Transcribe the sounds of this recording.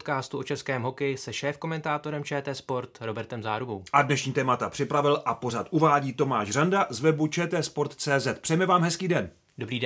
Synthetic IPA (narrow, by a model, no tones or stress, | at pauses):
t̪kaːst̪uʔot͡ʃɛskɛːmɦo̞kɛjɪsɛʃɛːfko̞mɛnt̪aːt̪o̞ɾɛmt͡ʃɛːt̪ɛːspo̞ɾt̪ɾo̞bɛɾt̪ɛmza̰ːɾubowʔadnɛʃɲiːt̪ɛːmat̪apr̝̥ɪpɾavɪlʔapo̞r̝at̪ʔuvaːɟiːt̪o̞maːʃrandazvɛbut͡ʃɛːt̪ɛːspo̞ɾt̪t͡sɛːzɛt̪̚pr̥ɛjmɛvaːmɦɛskiːdɛn | do̞bɾiːd